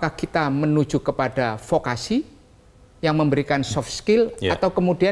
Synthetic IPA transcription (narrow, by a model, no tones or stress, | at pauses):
kahkit̪amənu̥d͡ʒukəpadafokasi | jaŋməmbəɾikansɔfskɪlat̪awkəmudia